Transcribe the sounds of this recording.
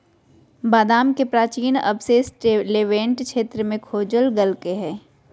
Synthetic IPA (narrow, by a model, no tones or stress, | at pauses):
baːd̪aːmkepɾaːt͡ʃiːnɐ̰bseːsʈleːʋẽːɳʈkʃeːt̪ɾəmẽkʰoːd͡ʒəlɡɐlkeɦɛː